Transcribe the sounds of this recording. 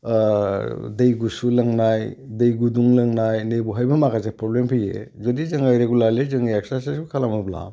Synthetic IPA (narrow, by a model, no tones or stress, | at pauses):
dejɡusulɐŋnajdejɡuduŋlaŋnajnejbuɦajbɐmakʰazapɾɔblempʰɯjḛzodizɐŋajɾeɡulaɾlezɯŋajaksasesukʰalamabla̰